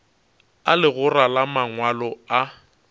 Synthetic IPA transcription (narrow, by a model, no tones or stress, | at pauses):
alɪɣʊralamaŋwalɔa